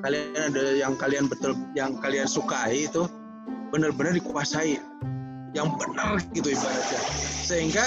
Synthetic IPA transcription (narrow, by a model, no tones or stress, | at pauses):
kalianadajaŋkalianbət̪ʊljaŋkaliansukaiːt̪u | bənərbənərdikuasai | jaŋbənərɡit̪̬uibadat̪̚d͡ʒasəɦiŋɡa